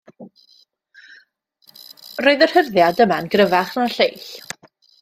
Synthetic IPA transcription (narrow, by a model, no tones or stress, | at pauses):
roɨðər̥hərðjadəmanɡrəvaχnaɬejɬ